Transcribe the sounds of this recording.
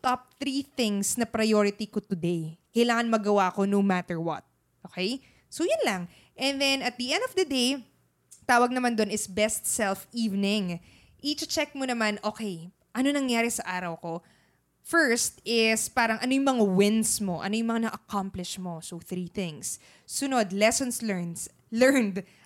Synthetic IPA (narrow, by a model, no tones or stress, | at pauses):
t̪ɔp̚θɾiθɪ̃ŋsnɐpɾɐjoɹɪt̪ikot̪ʊd̪ejkɐjlaːŋɐnmɐɡɐwaʔko̞nowmat̪ɛɹwɐ̰t̪̚ | ʔoːkej | sojʊnlɐŋ | ʔɛ̃nd̪ɛnɐt̪̚d̪ɐʔɛnd̪ovd̪ɐd̪ej | t̪aːwɐɡ̚nɐmand̪onɪsbɛst̪̚sɛlfiːvnɪŋ | ʔit͡ʃt͡ʃɛk̚monɐmanʔoːkɛj | ʔɐnonɐŋjaːɾɛsɐʔaːɾɐwko̞ | fɛɹst̪ɪspaːɾɐŋʔɐnojʊŋmɐŋawɪnsmo̞ʔɐ̰no̞jʊŋmɐŋanɐʔɐkamplɪʃmo̞soθɾiθɪ̃ŋsː | ʊnod̪lɛsonslɛɹns | lɛɹnd̪